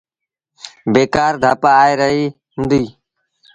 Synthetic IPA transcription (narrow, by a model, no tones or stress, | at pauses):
beːkaːɾd̪ʱaːpaːeːɾəɦiː | ɦʊ̃nd̪iː